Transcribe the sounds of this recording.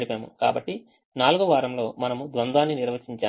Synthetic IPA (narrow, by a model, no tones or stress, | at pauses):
ɽipaːmṵka̰ːbɐʈːi | naːluɡuʋaːɾɐmlo̞ːmɐnɐmud̪ʋɐnd̪aːnːiniɾʋɐt͡ʃiɲt͡ʃaː